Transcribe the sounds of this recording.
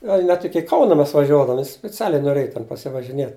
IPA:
ˈɡɐlʲ nʲɛt ˈɪkʲɪ ˈkɐʊnɐ ˈmʲɛs ʋɐˈʒʲuɔdɐʋoːm sʲpʲɪˈt͡sʲæːlʲɛɪ noːˈrʲeːj tʲɛn pɐsʲɪʋɐʒʲɪˈnʲiɛt

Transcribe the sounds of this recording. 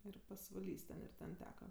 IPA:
ˈɪr pɐsʋɐˈlʲiːs tʲɛn ɪr ˈtʲɛn ˈtʲæːkɐ

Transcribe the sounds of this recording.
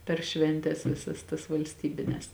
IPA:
pʲɛr ˈʃʲʋʲɛnʲtʲɛs ˈʋʲɪsɐs tɐs ʋɐlʲsʲˈtʲiːbʲɪnʲɛs

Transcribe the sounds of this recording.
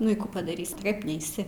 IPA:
ˈnʊ ɪ ˈkuː pɐdɐˈrʲiːsʲ tɐɪ ˈkɐp ˈnʲɛɪsʲɪ

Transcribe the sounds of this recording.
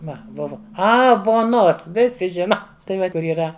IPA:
ˈʋɐ ˈbʊʋɐ ˈɐ ʋuɔˈnoːs ˈʋʲɪsʲɪ ˈʒʲɪnɐ tɐɪ ˈʋɐ kʊr iːˈrɐ

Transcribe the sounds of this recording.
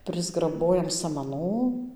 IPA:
pʲrʲɪzɡrɐˈboːjɛm sɐmɐˈnuː

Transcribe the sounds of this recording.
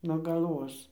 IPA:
nuɔ ɡɐlˠˈʋoːs

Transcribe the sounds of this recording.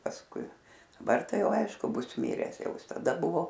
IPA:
pɐsˈkʊɪ dɐˈbɐr ˈtɐɪ ˈjɛʊ ˈɐɪʃkʊ ˈbʊs ˈmʲɪrʲɛs ˈjɛʊ ˈjɪs tɐˈdɐ ˈbʊʋoː

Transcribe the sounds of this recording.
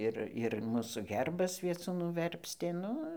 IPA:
ˈɪr ɪr ˈmuːsuː ˈɣʲɛrbɐs ˈʋʲiɛt͡suːnʊ ˈʋʲɛrʲpʲsʲtʲeː ˈnʊ

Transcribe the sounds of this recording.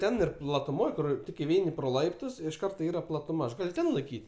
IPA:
ˈtʲɛn ɪr plˠɐtʊˈmoːj kʊr ˈtʲɪk ɪˈʋʲɛɪnʲɪ proː ˈlˠɐɪptʊs ɪʃ ˈkɐrtoː ˈiːrɐ plˠɐtʊˈmɐ ɐʃ ˈɡɐlʲ ˈtʲɛn lˠɐɪˈkʲiːtʲ

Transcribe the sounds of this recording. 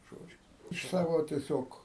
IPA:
ˈʒoːd͡ʒʲʊ ɪʃ ˈsɑːʋoː tʲiɛˈsʲoːk

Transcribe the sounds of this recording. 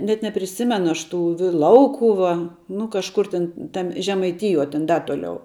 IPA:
nʲɛt nʲɛpʲrʲɪˈsʲɪmʲɛnʊ ˈɐʃ ˈtuː ʋʲɪ ˈlˠɐʊkʊʋɐ nʊ kɐʃˈkʊr tʲɪn ˈtɐmʲ ʒʲɛmɐɪˈtʲɪjuɔ tʲɛn ˈdɐ tuɔˈlʲɛʊ

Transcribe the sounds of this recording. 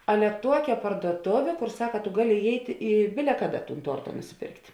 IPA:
ˈɑːlʲɛ ˈtuɔkʲɛ pɐrduɔˈtoːʋʲeː ˈkoːr ˈsɑːkɐ tʊ ˈɡɑːˌlʲɪ ɪˈjɛɪtʲ ɪ ˈbʲɪlʲɛ ˈkɑːˌdɐ tuːn ˈtuɔrtɐ nʊsʲɪˈpʲeːrktʲ

